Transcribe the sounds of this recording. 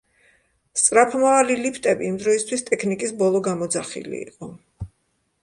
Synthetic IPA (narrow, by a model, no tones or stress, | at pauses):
st̪sʼɾapʰmavalilipʰt̪ʼɛbiːmd̪ɾɔist̪ʰwist̪ʼɛkʰnikʼisbɔlˠɔɡamɔd̪zaχḭlḭḭqʼɔ